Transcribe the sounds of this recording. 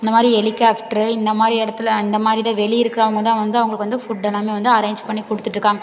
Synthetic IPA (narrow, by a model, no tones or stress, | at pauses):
ɪnd̪ɐmaːd̪ɾiɛlɪkːaːfʈɾɯɪnd̪ɐmaːd̪ɾiɛɽɐt̪ːɯlɪnd̪ɐmaːd̪ɾɪt̪ãːʋɛɭiɪɾɯkːɪɾɐʋɐŋɡɐt̪ãːʋɐnd̪ɯɐʋɐŋɡɐɭkːɯʋɐnd̪ɯfʊɖːɛnːaːmeːʋɐnd̪ɯɐɾeːɲd͡ʒpɐɳːikɔɽɯt̪ːɯʈːɾɯkːaːŋɡɐ